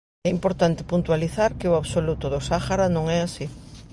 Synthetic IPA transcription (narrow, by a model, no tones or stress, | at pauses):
ɛimpoɾt̪ant̪ɪ̥punt̪waliθaɾkɪʊaβsolut̪ʊðʊsaxaɾanõŋɛasi